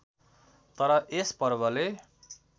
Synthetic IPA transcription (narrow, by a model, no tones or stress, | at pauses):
t̪ʌɾʌʔespʌrbʌle